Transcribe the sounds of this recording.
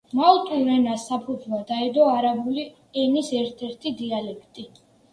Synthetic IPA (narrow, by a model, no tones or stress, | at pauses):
malt̪ʼuɾɛnasːapʰud̪zvwad̪aɛd̪ɔaɾabuli | ɛnisɛɾt̪ʰɛɾt̪ʰid̪ialɛkʰt̪ʼi